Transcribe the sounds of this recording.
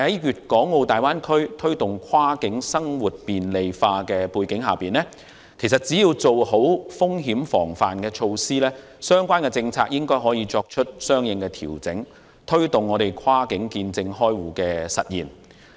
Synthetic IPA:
ɐ˨jhɐ˨˦jɥyː˨t̚kɔː˨˥ŋːo˨˧wt̪aː˨jwaː˥nkʰɵ˥ɥt̪ʰɵ˥ɥt̪ʊ˨ŋkʰwaː˥kɪ˨˥ŋsɐ˥ŋwuː˨˩t̚piː˨nle˨jfaː˧kɛː˧puː˧jkɪ˨˥ŋɦa̰ː˨piː˨nlɛː˥ | kʰe˨˩js̬ɐ˨t̚t͡si˨˥jiː˧wt͡so˨wɦo˨˥wfʊ˥ŋɦiː˨˥mfɔ̰ː˨˩ŋfaː˨nkɛː˧t͡ʃʰo˧wsiː˥lɛː˥ | sœː˥ŋkʷwaː˥nkɛ˧t͡sɪ˧ŋt͡sʰaː˧k̚jɪ˥ŋkɔː˥jɦɔː˨˥jiː˨˧t͡sɔː˧k̚t͡ʃʰɵ˥t̚sœː˥ŋjɪ˨˧ŋkɛ˧t̪ʰiː˨˩wt͡sɪ̰˨˥ŋ | t̪ʰɵ˥ɥt̪ʊ˨ŋɔː˨˧ɾe˨˩jkʰwaː˥kɪ˨˥ŋkiː˧nt͡sɪ˧ŋɦɔː˥jwuː˨˩kɛː˧sɐ̰˨t̚jḭː˨˩n

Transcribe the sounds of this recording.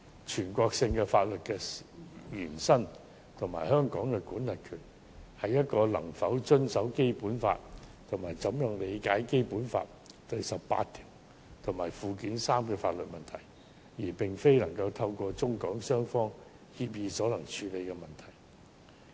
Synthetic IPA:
t͡ʃʰyː˨˩nkʷɔː˧k̚sɪ˧ŋkɛː˧faː˧t̚lɵ˨t̚kɛ˧jyː˨˩nsɐ˥n | t̪ʰʊ˨˩ŋma̰ː˨˩jhœː˥ŋkɔː˨˥ŋkɛ˧kuː˨˥nlɐ˨˩t̚kʰyː˨˩n | hɐ˨jːɐ˥t̚kɔː˧lɐ̰˨˩ŋfɐ˨˥wt͡ʃɵ˥nsɐ˨˥wke˥jpuː˨˥nfa̰ː˧t̚t̪ʰʊ˨˩maː˨˩jt͡sɐ˨˥mjʊ˨ŋle˨˧jkaː˨˥jke˥jpuː˨˥nfa̰ː˧t̚ | t̪ɵ˧ɥsɐ˨pːa̰ː˧tt̪ʰiː˨˩w | t̪ʰʊ˨˩ŋmaː˨˩jfuː˨kiː˨˥nsaː˥mkɛː˧faː˧t̚lɵ˨t̚mɐ˨nt̪ʰɐ˨˩j | jiː˨˩pɪ˨ŋfe˥jlɐ˨˩ŋkɐ˧wt̪ʰɐ˧wkɔː˧t͡sʊ˥ŋkɔː˨˥ŋsœː˥ŋfɔː˥ŋ | hi˧p̬̚jiː˧sɔː˨˥lɐ˨˩ŋt͡ʃʰyː˨˧le˨˧jkɛ˧mɐ˨nt̪ʰɐ˨˩j

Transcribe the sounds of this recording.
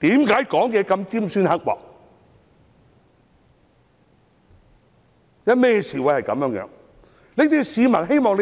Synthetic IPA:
t̪iː˨˥mkaː˨˥jkɔː˨˥ŋjɛː˨˧kɐ˧mt͡siː˥msyː˥nhɐ˥k̚wɔ̰ː˨˩k̚ | jɐ˥mɛː˥˧siː˨wjhɐ˨jkɐ˨˦mjœː˨˥ŋjœː˨˦˥ŋ | leː˥t̪ʰi˥siː˨˧mɐ˨˩nɦe˥jmɔː˨ŋle˧

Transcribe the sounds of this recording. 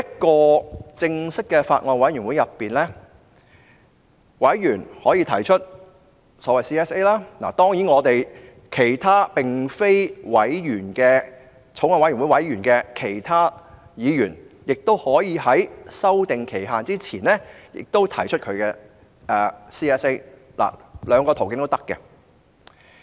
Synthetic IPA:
jɐ˥t̚kɔː˧t͡sɪ˧ŋsɪ˥kːɛː˧faː˧t̚ŋɔː˧nwɐ˨˥jy˨˩nwu˨˥jɐ˨pːiː˨nlɛ˥ | wɐ˨˥jjyː˨˩nhɔː˨˥jiː˧t̪ʰɐ̰˨˩jt͡ʃʰɵ˥t̚ | sɔː˨˥wɐ˨jsiː˥ɛː˥se˥laː˥na̰˨˩t̪ɔː˥ŋjiː˨˥nŋɔː˨˧t̪e˨j | kʰe˨˩jt̪ʰaː˥pɪ˨ŋfe˥jwɐ˨˥jɥyː˨˩nkɛː˧ | t͡sʰo˨˥ŋaː˧wɐ˦˥jy˨˩wu˨˥jwɐ˨˥jɥyː˨˩nkɛː˧kʰe˨˩jt̪ʰaː˥jiː˨˧jyː˨˩njɪ˨k̚t̪o˥whɔː˨˥jiː˨˧hɐ˨˥jsɐ˥wt̪ɪ˨ŋkʰe˨˩jɦaː˨nt͡siː˥t͡sʰiː˨˩nɛ˥jɪ̰˨k̚t̪o˥wt̪ʰɐ˨˩jt͡ʃʰɵ˥t̚kʰɵ˨˧kɛː˧ | ɛː˨˧siː˥ɛː˥se˥j | la̰ː˨˩lœː˨˧ŋkɔː˧t̪ʰwkɪ˧˥ŋt̪o˥t̪ɐ˥kːɛ̰˧

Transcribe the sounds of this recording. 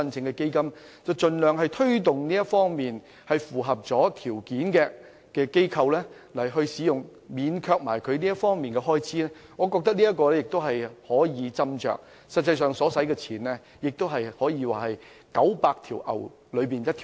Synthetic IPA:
ɐ˥nt͡sʰɪ˧ŋkɛ˧ke˥jkɐ˥m | t͡sɐ˨wt͡ʃɵ˨nlœː˨ŋɦɐ˨jt̪ʰɵ˥ɥt̪ʊ˨ŋniː˥jɐ˥tfɔː˥ŋmiː˨n | hɐ˨jfuː˨ɦɐ˨p̚t͡sɔː˨˥t̪ʰiː˨˩wkiː˨˥nkɛː˧ | kɛː˧ke˥jkʰɐ˧wlɛː˥ | lɐ˨˩jɦɵ˧ɥsiː˨˥jʊ˨ŋ | miː˨˧nkʰœː˧k̚ma̰ː˨˩jkʰɵ˨˧ɥniː˥jɐ˥t̚fɔː˥ŋmiː˨nkɛː˧ɦɔː˥jt͡sʰiː˨˥lɛː˥ | ŋɔː˨˧kɔː˧k̚t̪ɐ˥k̚niː˥jɐ˥t̚kːɔː˧lɛ˥jɪ˨k̚t̪o˥wɦɐ˨jhɔː˨˥jiː˨˧t͡sɐ˥mt͡ʃœ̰ː˨k̚ | sɐ˨t̚t͡sɐ˧jsœː˨ŋsɔː˨˥sɐ˨˥jkɛː˧t͡sʰiː˨˩nlɛ˥ | jɪ˨k̚t̪o˥wɦɐ˨jhɔː˨˥jiː˨˧waː˨˩hɐ˨j | kɐ˨˥wpaː˧k̚t̪ʰiː˨˩wʔɐ̰˨˩w | lɵ˨˧ɥpiː˨njɐ˥t̪ʰː

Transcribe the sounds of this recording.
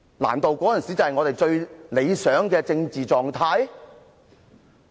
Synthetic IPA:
la̰ː˨˩nt̪o˨wkɔː˨˥ɐ˨nsi˨˥t͡sɐ˨hɐ˨jŋɔː˨˧t̪e˨jt͡ʃɵ˧ɥle˨˧jsœː˨˥ŋkɛː˧t͡sɪ˧ŋt͡siː˨t͡sɔː˨ŋt̪ʰaː˧j

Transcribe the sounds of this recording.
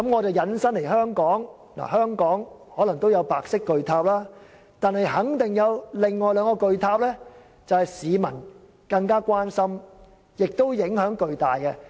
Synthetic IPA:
ɐ˨˥mŋɔː˨˧t͡sɐ˨wjɐ˨˥nsɐ˥nle˨˩jɦœː˥ŋkɔː˨˥ŋ | la̰˨˩hœː˥ŋkɔː˨˥ŋ | hɔː˨˥lŋt̪o˥wjɐ˨˧wpaː˨k̚sɪ˥kːɵ˨ɥt̪ʰaː˧p̚laː˥ | t̪aː˨˧nhɐ˨jhɐ˨˥ŋt̪ɪ˨˩ŋjɐ˨˧wlɪ˨˩ŋːɔː˨jlœː˨˧ŋkɔː˧kɵ˨˧ɥt̪ʰaː˧p̚lɛː˥ | t͡sɐ˨whɐ˨jsiː˨˧mɐ˨˩n | kɐ˧ŋkaː˥kʷaː˥nsɐ˥m | jɪ˨k̚t̪o˥wjɪ˨˥ŋhœː˨˥ŋkɵ˨˧ɥt̪aː˨jkɛ˧

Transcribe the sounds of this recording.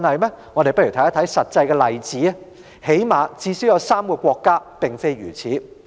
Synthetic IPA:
nɐ˨jmɛː˥ŋɔː˨˧ɾe˨jpɐ˥y˨˩t̪ʰɐ˨˥jɐ˦˥t̪ʰɐ˨˥jsɐ˨t̚t͡sɐ˧jkɛː˧lɐ˨jt͡siː˨˥ɐ˥ | he˨˥jmaː˨˧t͡siː˧sy˥wjɐ˨˧wsaː˥mkɔː˧kʷɔː˧kːaː˥pɪ˨˩ŋfe˥jjy̰ː˨˩t͡sʰiː˨˥

